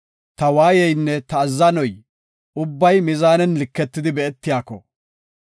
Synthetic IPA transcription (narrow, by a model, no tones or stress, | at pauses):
t̪ɐwaːjɛjnːɛt̪ɐːzːɐnɔj | ʊbːɐjmɪzaːnɛnlɪkːɛt̪ːɪd̪ɪbɛɛt̪ːɪjaːkːɔ̰